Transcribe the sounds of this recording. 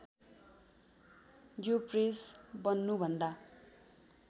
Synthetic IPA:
jopresbʌnːubʱʌnd̪a

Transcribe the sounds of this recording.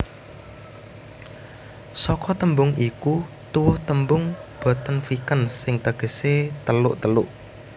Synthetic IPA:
sɔkɔt̪əmbʊŋiku | t̪uwʊht̪əmbʊŋb̥a̤t̪ənfikənsɪŋt̪əɡ̥ə̤set̪əlʊʔt̪əlʊʔ

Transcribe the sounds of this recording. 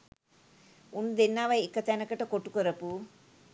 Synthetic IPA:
unud̪enːaːʋɐjekːɐt̪ɛnɐkɐʈɐkoʈːukoɾɐpu

